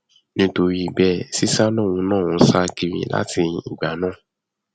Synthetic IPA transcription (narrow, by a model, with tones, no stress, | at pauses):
nĩ˦to˧ɾi˦i˨bɛ˦˨si˦sa˦lɔ˦˨w̃ũ˧˦nãː˦˨ũ˧˦sa˦ki˦ɾḭ̃˧˦la̰˦tĩ˧i˨ɡ͡ba˨˦nãː˦˨